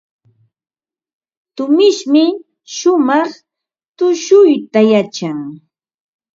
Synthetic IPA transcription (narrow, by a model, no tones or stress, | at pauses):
t̪ʊmɪʃmɪ | ʃʊmɑχ | t̪ʊʃʊjt̪ajat͡ʃaŋ